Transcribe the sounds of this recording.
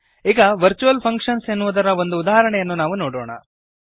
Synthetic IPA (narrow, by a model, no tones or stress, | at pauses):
iːɡɐʋɐɾt͡ʃuʋɐlpʰɐŋkʂɐnsenːuʋud̪ɐɾɐʋo̞nd̪uːd̪aːɦɐɾɐɳɛjɐnːunaːʋunoːɽɔ̰ːɳɐ̰